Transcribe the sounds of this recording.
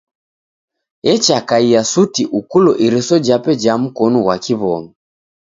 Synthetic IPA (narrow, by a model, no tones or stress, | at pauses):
ɛt͡ʃakaiasutiʔukulɔʔiɾisɔd͡ʒapɛd͡ʒam̩kɔnuwakiβɔmɛ